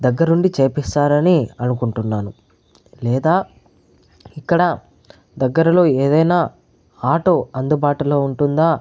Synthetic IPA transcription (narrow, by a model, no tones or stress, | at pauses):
d̪ɐɡːɐɾnuɳɖit͡ʃeːpist̪aːɾɐniɐnukuɳʈunːaːnu | lɛːd̪aː | ikːɐɽɐ | d̪ɐɡːɐɾɐlo̞ːe̞ːd̪ɐjnaː | aːʈo̞ːɐnd̪ubaːʈulo̞ːuɳʈund̪aː